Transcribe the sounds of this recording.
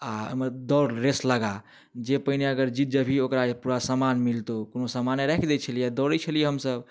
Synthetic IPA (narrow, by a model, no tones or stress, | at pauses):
aə̰məɾd̪ɔɾɾesləɡa | d͡ʒepəɦineəɡəɾd͡ʒit̪̚d͡ʒəbʱiokɾapuɾasamanmilt̪okonosamaneɾɛkʰd̪ɛt͡ʃʰəlijed̪ɔɾət͡ʃʰəlijeɦəmsəb